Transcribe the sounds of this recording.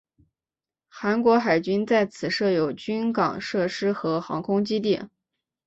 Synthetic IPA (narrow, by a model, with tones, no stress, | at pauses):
xa˧˥nkwɔ˧˥xa˨˩ɪt͡ɕy˥nt͡sa˥˩ɪt͡sʰɹ̩˨˩ʂɤ˥˩jo˨˩ʊt͡ɕy˥nkɑ̰˨˩ŋʂɤ˥˩ʂɻ̩˥xɤ˧˥xɑ̰˧˥ŋkʰʊ˥ŋt͡ɕi˥t̪̬jɛ˥˩n